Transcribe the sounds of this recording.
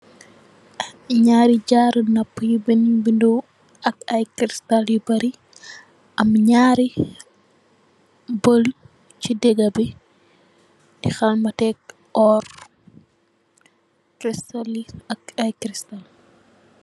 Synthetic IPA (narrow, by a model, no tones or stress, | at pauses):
ɲaːɾiɟaːɾənɐpːjubɛnibindu | ɐkɐjkɾistaljibɐɾi | ʔɐmɲaːɾi | bol | t͡ʃidɛɡɐbi | dixɐlmɐtɛk̚ | ʔɔːr | kɾistaliɐk̚ɐjkɾistal